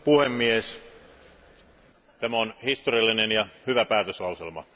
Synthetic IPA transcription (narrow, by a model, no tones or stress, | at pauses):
puhemːies | t̪æmæonhist̪oriɑlːinenjɑhyʋæpæːt̪øslɑˑuselmɑ̰